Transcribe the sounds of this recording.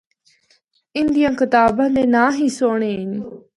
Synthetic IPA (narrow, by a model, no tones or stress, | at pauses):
ɪnd̪ijãːkɪt̪aːbãːd̪eːnãːɦiːsoːɽ̃eːɪn